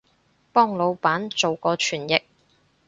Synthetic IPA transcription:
pɔː˥ŋlo˨˧wpaː˨˥nt͡so˨wkɔː˧t͡ʃʰyː˨˩njɪ˨k̚

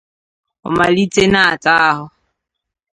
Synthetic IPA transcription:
ʊ̰˨ma˨li˦t͡sʼe˦naː˦˨t͡sʼaː˦hʊ˦

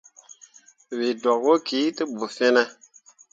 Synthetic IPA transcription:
wi˨do˨k̚wo˦ki˨˦tɨ˦bu˨fe˦ne˦

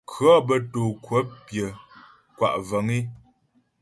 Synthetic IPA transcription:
kʰɰɔ˦bə˦toː˨kwə˨˦pjə˨ | kwa̰˨ʔvə˨˦ŋi˦

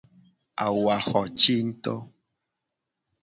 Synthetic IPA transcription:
a̰˨wa˨xɔ˨t͡ʃi˦n̩˦t̪ɔ˦

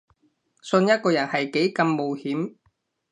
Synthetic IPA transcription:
sɵ˧njɐ˥t̚kɔː˧jɐ˨˩nhɐ˨jke˨˥jkɐ˧mːo˨whiː˨˥m

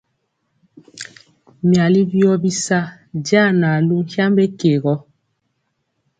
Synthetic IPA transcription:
mja˨li˦bi˦ɔ˦bi˦sa˦ | da˦˨na˨lu˦n̩˦hja˦mbe˦ke˨ɣɔ˦

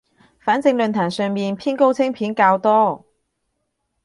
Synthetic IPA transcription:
faː˨˥nt͡sɪ˧ŋlɵ˨˧nt̪ʰaː˨˩ŋsœː˨ŋmiː˨npʰiː˥nko˥wt͡sʰɪ˥ŋpʰiː˨˥nkaː˧wt̪ɔː˥

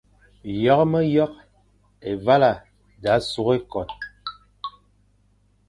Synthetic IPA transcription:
jɔ˦kmə˦jɔ˦k̚ | e˨va˦la˨ | da˨˦su˨˦ɣe˦kɔ˨t̚

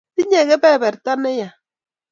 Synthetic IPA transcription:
ti˦ɲɛ˨kɛ˦bɛ˦˨bɛ˨ɾta˦nɛ˦ja˨

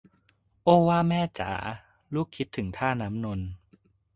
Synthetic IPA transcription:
ʔoː˥˩waː˥˩mɛː˥˩t͡ɕa̰ː˩˦ | luː˥˩kʰːi˦˥t̪ʰːɯ˩˦ŋt̪ʰaː˥˩naː˦˥mno˧n

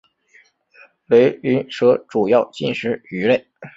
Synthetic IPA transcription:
le˧˥ɪy˧˥nʂɤ˧˥ʈ͡ʂu˨˩jɑ˥˧ʊt͡ɕi˥˩nʂɻ̩˧˥y˧˥le˥˩ɪ

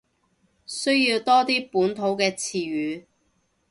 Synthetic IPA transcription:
sɵ˥ɥjiː˧wt̪ɔː˥t̪iː˥puː˨˥nt̪ʰo˨˥wkɛː˧t͡sʰiː˨˩ɥyː˨˥

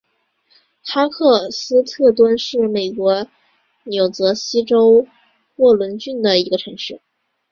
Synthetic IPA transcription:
xa˥kʰɤ˥˩sɹ̩˥t̪ʰɤ˥˩t̪wa˥nʂɻ̩˥˩me˨˩ɪkwɔ˧˥ | njo˨˩ʊt͡sɤ˧˥ɕi˥ʈ͡ʂo˥ʊ | wɔ˥˩lwə˧˥nt͡ɕy˥˩nd̪ə˨i˧˥ɡə˧ʈ͡ʂʰɤ˧˥ŋʂɻ̩˥˩

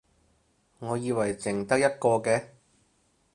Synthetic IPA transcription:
ŋɔː˨˧jiː˧wɐ˨˩jt͡sɪ˨˩ŋt̪ɐ˥k̚jɐ˥t̚kɔː˧kɛː˧

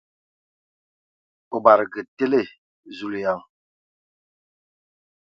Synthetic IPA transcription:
o˨ba˨ɾɡə˨te˦le˦˨ | zu˦lja˦˨ŋ

